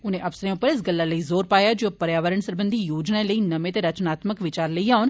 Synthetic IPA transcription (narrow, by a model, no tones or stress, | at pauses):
ʊnẽːʔəpsəɾẽʊpːəɾɪs̬ɡəlːaːləiːzoːɾpaːjaːd͡ʒoːpəɾjaːʋəɾəɳsəɾbənd̪ʱiːjoːd͡ʒnaləiːnəmẽːt̪eːɾət͡ʃnaːt̪məkʋɪt͡ʃaːɾləiːaːʊn